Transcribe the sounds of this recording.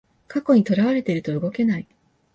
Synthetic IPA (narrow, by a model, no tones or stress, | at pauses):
kako̞ɲ̟it̪o̞ɾaβ̞aɾe̞t̪e̞iɾɯ̟t̪o̞ɯ̟ɡo̞ke̞nai